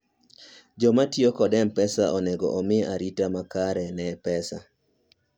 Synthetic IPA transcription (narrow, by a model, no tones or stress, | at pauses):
d͡ʒɔmatjokɔdɛmpɛsaʔɔnɛɡɔ̰ʔɔmɪaɾitamakaɾɛnɛpɛsa̰